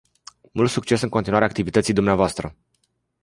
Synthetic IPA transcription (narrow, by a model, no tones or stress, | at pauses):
mṵlt̪sukt͡ʃe̞sɨŋko̞nt̪inwaɾeaːk̚t̪ivit̪ət̪sijd̪umneavoast̪ɾə